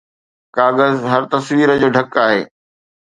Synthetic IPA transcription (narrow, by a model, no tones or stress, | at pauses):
kaːɣəzɦɐɾt̪ɐsʋiːɾəd͡ʑoːɖʱɐkaːɦeː